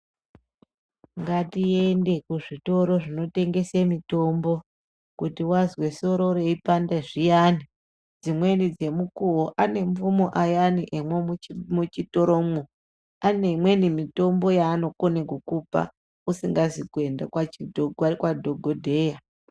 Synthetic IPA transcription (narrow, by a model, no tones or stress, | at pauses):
ŋɡatie̞nde̞kuʐito̞ɾo̞ʐino̞te̞ŋɡe̞semito̞mbo̞ | kutiwazwe̞so̞ɾo̞ɾeipandeʐijani | d͡zimwe̞nid͡ze̞mukuwoʔane̞ɱfumoʔajaniʔemwemut͡ʃito̞ɾomu | anemwe̞nimito̞mbo̞jaːno̞konekokupa̰ | usiŋɡazikue̞ndakwaikwadʱoɡʱodʱe̞ːja